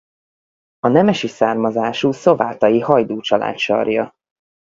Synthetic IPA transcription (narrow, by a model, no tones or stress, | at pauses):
ɒnɛmɛʃisaːrmɒzaːʃuːso̞vaːt̪ɒjihɒjd̪oːt͡ʃɒlʔa̰ːt̪ʃɒ̰rjɒ